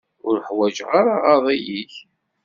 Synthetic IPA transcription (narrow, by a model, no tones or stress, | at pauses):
ʊɾħwæd͡ʒʁaɾaʁɑðˤijiç